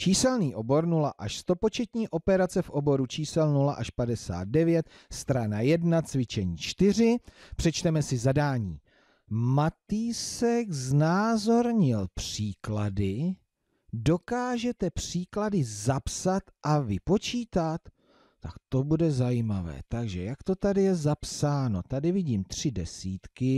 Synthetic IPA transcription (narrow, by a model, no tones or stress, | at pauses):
t͡ʃiːsɛlniːʔo̞bo̞ɾnula̰ʔaʃst̪o̞po̞t͡ʃɛt̪ɲiːʔo̞pɛɾat͡sɛfʔo̞bo̞ɾut͡ʃiːsɛlnulaʔaʃpadɛsa̰ːd̪̚dɛvjɛt̪̚ | st̪ɾanajɛdnat͡svɪt͡ʃɛɲiːt͡ʃt̪ɪr̝ɪpr̥ɛt͡ʃt̪ɛmɛsɪzadaːɲiː | mat̪iːsɛɡznaːzo̞ɾɲɪlpr̥iːkladɪ | do̞kaːʒɛt̪ɛpr̝̥iːkladɪzapsat̪ʔavɪpo̞t͡ʃiːt̪at̪ | t̪ːakt̪o̞budɛzajiːmavɛ̰ːt̪aɡʒɛjakt̪o̞t̪adɪjɛzapsaːno̞t̪adɪvɪɟiːmt̪r̥ɪdɛsiːt̪kɪ